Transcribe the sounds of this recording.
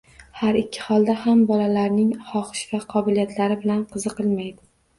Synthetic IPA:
haɾɪkʲʰːɪ̥hɒlˠd̪ahambɒlalaɾnɪŋχɒχɪʃvaqʰɒbɪlijat̪ʰlaɾɪbɪlanqʰɨzɨqɨlˠmajd̪ɪ

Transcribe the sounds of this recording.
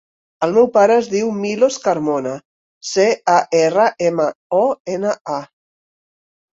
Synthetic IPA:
əlˠmɛwpaɾəːzðiwmiloskəɾmonə | seaʔerəʔeməɔenəʔa

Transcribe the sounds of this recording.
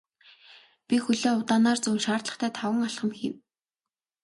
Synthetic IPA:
pʲixuɮoːʊwt̪aːnaːrt͡sɵːnʃaːrt̪ɮə̆χt̪ʰæːt̪ʰawə̆ŋaɬχə̆mxḭw

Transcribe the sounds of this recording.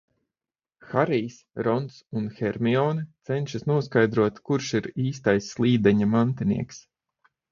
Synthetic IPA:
xaɾijsɾɔnt̪sunxɛɾmʲiɔːnt̪sɛnʲʃasnuɔskajd̪ɾuɔt̪kuɾʃiɾiːst̪ajsːlˠiːd̪ɛɲamant̪inḭɛks

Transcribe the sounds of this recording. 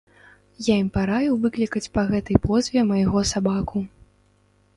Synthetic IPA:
jaimpaɾajuwvɨklʲikɐt͡sʲpɐɣɛt̪ɐjpɔzʲvʲɛmɐjɣɔsabaku

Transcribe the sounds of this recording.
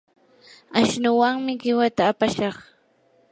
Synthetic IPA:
aʃnʊwaŋmɪɢɪwat̪aːpaʃɑχ

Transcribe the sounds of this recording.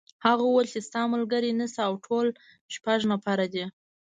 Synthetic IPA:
haɣawalt͡ʃest̪ɑmʊlɡəɾinəsiawʈʰol | ʃpaʒnapaɾad̪i

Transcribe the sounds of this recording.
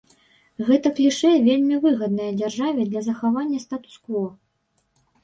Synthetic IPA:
ɣɛt̪ɐklʲiʂɛvʲelʲmʲivɨɣɐd̪nɐjɐd͡zʲarʐavʲɛd̪lʲɐzɐxavanʲːɐst̪at̪u̥skvɔ

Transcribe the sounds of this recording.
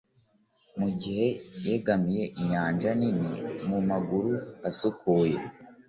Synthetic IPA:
muɟihe̞jeɡamije̞ʔiɲaːnd͡ʒaninḭmumaɡuɾuasukuːje

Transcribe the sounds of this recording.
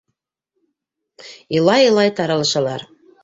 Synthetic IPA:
ilˠɑjɤ̆lˠɑjt̪ɑɾɑlˠɤ̆ʃɑlˠɑɾ

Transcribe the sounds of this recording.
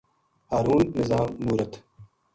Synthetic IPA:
aːɾuːnːɪzaːmːuːɾɐt̪

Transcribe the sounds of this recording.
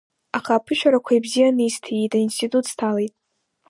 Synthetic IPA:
aχaːpʰɨʃᶣaɾakʷʰaibzijanɨjstʰijitʼainstʰitʼutʰstʰalejtʼ

